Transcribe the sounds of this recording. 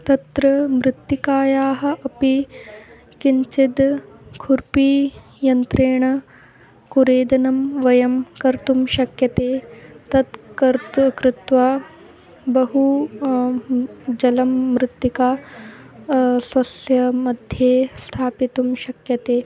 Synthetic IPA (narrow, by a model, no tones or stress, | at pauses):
t̪ɐt̪ɾɐmɾɪt̪jikaːjaːɦɐ̆ʔɐpi | kiɲt͡ʃid̪kʰuɾpiː | jɐnt̪ɾeːɳɐ | kuɾeːd̪ɐnɐmʋɐjɐmkɐɾt̪umʃɐkjɐt̪eːt̪ɐt̪kɐɾt̪kɾɪt̪ʋaː | bɐɦu | d͡ʒɐlɐmːɾɪt̪jikaː | sʋɐsjɐmɐd̪ʱjeːst̪ʰaːpit̪umʃɐkjɐt̪eː